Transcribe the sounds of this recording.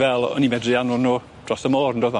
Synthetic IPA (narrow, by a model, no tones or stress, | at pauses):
vɛlˠɔ̰nimɛdrɪanʊnuː | d̥rɔsəmoːrəndoːða